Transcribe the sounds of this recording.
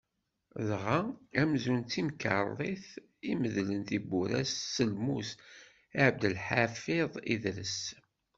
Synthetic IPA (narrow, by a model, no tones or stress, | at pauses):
lʁaæmzunt̪ːimkə̰ɾˤlˤeθ | iməðlənt̪ibuɾæ̰sːəlmus | aʕb̚d̪əlħafɪðˤḭðɾəs